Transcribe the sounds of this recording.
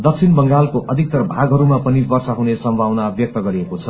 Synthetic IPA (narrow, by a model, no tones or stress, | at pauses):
d̪ʌk̚sʰinbʌŋɡalkoʔʌd̪ʱik̚t̪ʌrbʱaɡɦʌɾumapʌnibʌrsaɦunesʌmbʱawnabjʌk̚t̪ʌɡʌɾiekot͡sʰʌ